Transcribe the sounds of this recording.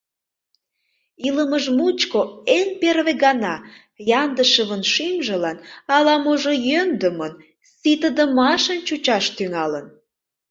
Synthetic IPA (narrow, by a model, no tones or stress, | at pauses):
iləməʒmut͡ɕkoenperβeɣɑnɑ | jɑnd̪əʃəβənʃimʒə̆lɑnɑlɑmoʒojønd̪əmən | sit̪əd̪əmɑʃənt͡ɕut͡ɕɑʃt̪yŋɑlən